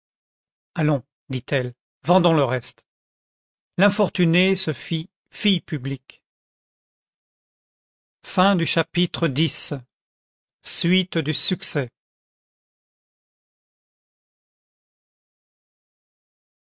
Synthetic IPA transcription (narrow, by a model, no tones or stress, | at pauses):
alɔ̃ | d̪it̪ʰɛl | vɑ̃d̪ɔ̃ləʁɛst̪ | lɛ̃fɔʁt̪ynesəfi | fijpyblik | fɛ̃d̪yʃapit̪χəd̪is | sɥit̪d̪ysyksɛ